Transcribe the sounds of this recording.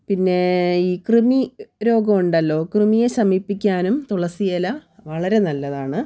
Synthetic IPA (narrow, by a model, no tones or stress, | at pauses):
pinːe̞iːkrɨmiɾo̞ːɡɐmuɳɖɐlːo̞ːkrɨmijeɕɐmipːikʲːaːnumt̪uɽɐsijɐlɐʋɐɭɐɾe̞nɐlːɐðaːɳɨ